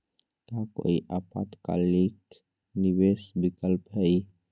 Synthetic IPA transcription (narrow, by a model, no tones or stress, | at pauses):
t̪ako̰iʔapa̰t̪ka̰lik | nibesbikəlpɦəj